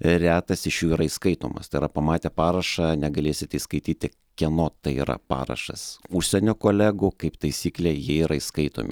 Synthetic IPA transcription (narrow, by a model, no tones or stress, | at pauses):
ɾʲæːt̪ɐsɪʃjuːiɾɐɪskɐɪt̪o̰ːmɐ̰st̪ɐɪɾɐpɐmɑːt̪ʲeːpɑːɾɐʃɑnʲɛɡɐlʲeːsʲɪt̪ʲɪskɐɪt̪ʲiːt̪ʲɪ | kʲɛnoːt̪ɐɪḭːɾɐ̰pɑ̰ːɾɐ̰ʃɐ̰sʊʃʲsʲɛnʲoːkoːlʲæːɡʊkɐɪpt̪ɐɪsʲiːklʲeːjiɛiːɾɐiskɐɪt̪o̰ːmʲɪ̰